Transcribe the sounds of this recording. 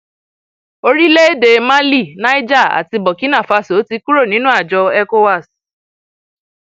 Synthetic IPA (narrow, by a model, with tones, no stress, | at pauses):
o˧ɾi˦le˦e˦˨de˧mã˦li˦˨nã˦i˦d͡ʒa˦˨a̰˨ti˧bɔ˨ki˨˦nã˦˨fa˧so˨˦ti˧ku˦ɾo˦˨nĩ˨˦nũ˦a˦˨d͡ʒɔ˧ɛ˦˧ko˧wa˦˨s